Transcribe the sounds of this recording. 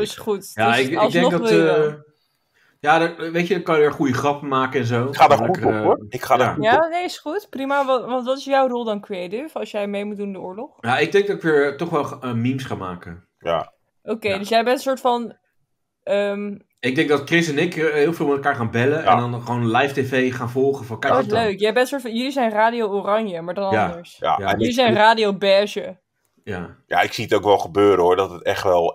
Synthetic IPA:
oɪsχutjaɪɪɡdɛŋnɡdɔ | jaːdʋejcədəkɑnjədəɹχujəχrɑpəmaːkəɛnzowadəɛukəχaajanejɪsχutprimaʋɑntʋɑtɪsjawrolˠdɑnkriejtɪfɑsjɛjmejmut̚dunɪndəʊːɹlɔχjaɪɡ̚dɛŋɡdɑtɪkʋɪːɹtɔχʋɛlˠχəmimsχaːma̰ːkə | ja̰ | ʔowkejdøsjɛjbɛntəsʊːɹtfɑn | əm | ɪɡ̚dɛŋ̚dɑtkrɪs̬ənekɪɦɪːlˠvɪːlˠmɛtlˠkaːɹχaːnbɛləɛnndɔnχʋownlɛjftevejχaːnvɔlˠχəfɔ̃nkɛɪsløɥkjɛɛbɛntəsʊːɹtfnjɵlizɛjnraːdioorɑnjəmaːɹdɔnɑndəɹsja̰jlizɛjnraːdiowbɛʒə | jaja̰ɪksiətowkʋɛlˠχəbøːɾəoːɹdɔtətɛ̰χtʋɛlˠ

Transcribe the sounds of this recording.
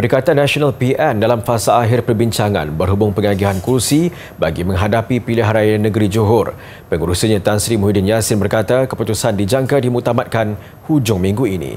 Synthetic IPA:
pəɾikat̪anːaʃionalpiʔɛndalamfasaːɦɪrpərbiɲt͡ʃaŋã̰nbərɦubʊŋpəŋaɡiɦankursi | baɡimə̃ŋɦadapipilɪɦaɾajnəɡəɾid͡ʒuɦʊr | pəŋuɾusiɲat̪ansɾimuɦidɪnjasɪnbərkat̪akəput̪usandid͡ʒaŋkadimukt̪amat̪̚kan | hud͡ʒʊŋmĩŋɡuinḭ

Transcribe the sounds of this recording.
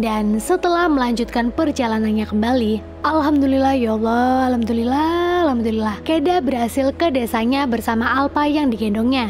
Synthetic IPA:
dansət̪əlahməlaɲd͡ʒut̪̚kanpərd͡ʒalananɲakəmbali | ʔalɦamd̪ulilahjalaalhamd̪ulilalhamd̪ulilahkedabərɦasɪlkədesaɲabərsamaʔalpajaŋdiɡɛndɔŋɲa

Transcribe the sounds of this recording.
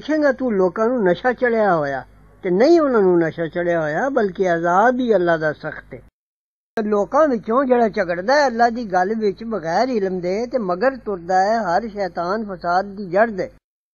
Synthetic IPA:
kʰẽːŋɡaːt̪uːloːkãːnũːnəʃaːt͡ʃəɽejaːɦoːja̰ː | t̪eːnəĩːʊnãːnũːnəʃaːt͡ʃəɽejaːɦoːjaːbəlkeəzaːbiːəlːaːd̪aːsəkʰt̪eː | t̪əɾloːkãːʋɪt͡ʃõːd͡ʒeːɽaːt͡ʃəɡəɽd̪aːɛːəlːaːd̪iːɡəlʋɪt͡ʃbəɣɛːɾɪlmd̪eːt̪eːməɡəɾt̪ʊɾd̪aːɛːɦəɾʃɛːt̪aːnfəsaːd̪̚ːiːd͡ʒəɾd̪ɛː

